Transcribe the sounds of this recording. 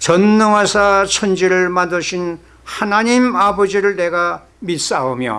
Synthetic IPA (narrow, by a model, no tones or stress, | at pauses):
t͡ɕʌnːɯŋwasʰat͡ɕʰʌnd͡ʑiɾɯɭmandɯɕʰin | hanaɲimabʌd͡ʑiɾɯɭneɡa | mit̚s͈aomjʌ̰